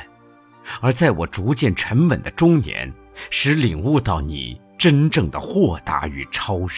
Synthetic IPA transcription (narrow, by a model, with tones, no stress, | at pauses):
ə˞˧˥t͡sa˥˩ɪwɔ̰˨˩ʈ͡ʂu˧˥t͡ɕjɛ˥˩nʈ͡ʂʰə˧˥npə̰˨˩nd̪ə˦ʈ͡ʂʊ˥ŋnjɛ̰˧˥n | ʂɻ̩˧˥li˨˩ŋwu˥˧t̪ɑ˥˩ʊnḭ˨˩ | ʈ͡ʂə˥nʈ͡ʂɤ˥˩ŋd̪ə̰˩xwɔ˥˩t̪a̰˧˥y̰˨˩ʈ͡ʂʰɑ˥ʊʂ